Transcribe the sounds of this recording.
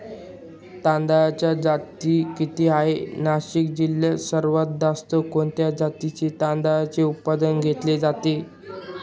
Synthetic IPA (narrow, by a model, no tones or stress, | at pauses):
t̪ãnd̪ajat͡ɕjad͡zat̪iːkit̪iːɦaenaɕik̚d͡ʑilːesəɾʋət̪̚d̪ast̪okoɳt̪jad͡zat̪it͡ɕet̪ãnd̪ajat͡seut̪̚pad̪ənɡʱet̪led͡zat̪e